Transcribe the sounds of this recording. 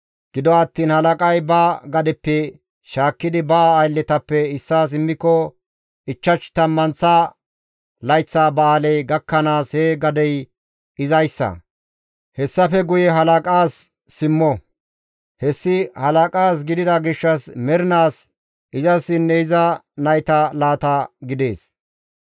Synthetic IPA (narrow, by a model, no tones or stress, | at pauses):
ɡ̥ɪd̪ɔɐt̪ːiːnhɐlɐkʼɐjbaːɡɐd̪ɛpːɛ | ʃaːkːɪd̪ɪbɐːjlːɛt̪ɐpːɛɪsːaːs̬ɪmːɪkːɔ | ɪt͡ʃːɐt͡ʃt̪ɐmːɐnt͡sːaː | lɐjt͡sːaːbɐaːlɛjɡɐkːɐnaːsheɡɐd̪ɛj | ɪzɐjsːɐ̰ | hɛsːɐfɛɡʊjɛɦɐlɐkʼaːsː | ɪmːɔ | hɛsːɪhɐlɐkʼaːs̬ɡɪd̪ɪd̪ɐɡɪʃːɐsmɛɾɪnaːs | ʔɪzɐsɪnːɛɪzɐnɐjt̪ɐlaːt̪ɐɡɪd̪e̞ːs